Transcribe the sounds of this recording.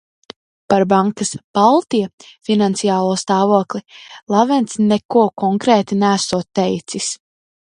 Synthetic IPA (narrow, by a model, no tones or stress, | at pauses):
paɾbaŋkasb̥alˠt̪ijɛfinant̪sijaːlˠuɔst̪aːvuɔklilˠavɛnt̪snɛkuɔkɔŋkɾeːt̪inæːsuɔt̪ːɛjt̪sis